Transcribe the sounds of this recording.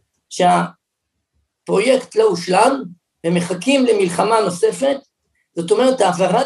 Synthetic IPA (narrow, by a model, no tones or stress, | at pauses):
ʃea | pʁo̞jektlouʃlam | veme̞χakimlemilχamano̞se̞fe̞t | z̥o̞to̞me̞ʁetaːvaʁa